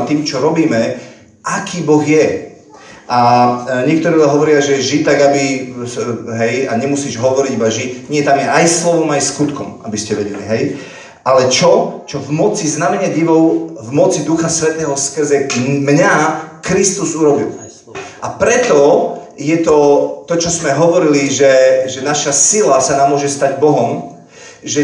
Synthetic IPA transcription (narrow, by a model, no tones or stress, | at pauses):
t̪iːmt͡ʃɔɾɔbiːmɛ | ʔakiːbɔɣjɛ | ʔaɲɪɛk̚t̪ɔɾiaɦɔʋɔɾɪaʒɛʒit̪aɡabi | ɦɛjaɲɛmusiːʒɦɔʋɔɾiɟibaʒiɲɪɛt̪amjɛajslɔʋɔmajskut̪kɔma̰biscɛʋɛɟɛlḭɦɛj | ʔalɛt͡ʃɔt͡ʃɔvmɔt͡siznamɛɲɛɟiʋɔʊvmɔt͡sid̪uxasʋɛt̪ɛːɦɔskr̩zɛmɲakɾist̪uzuɾɔbḭl | ʔapɾɛt̪ɔ | jɛt̪ɔt̪ɔt͡ʃɔzmɛɦɔʋɔɾiliʒɛʒɛnaʃasilasanaːmːʊɔʒɛst̪aɟbɔɦɔm | ʒɛ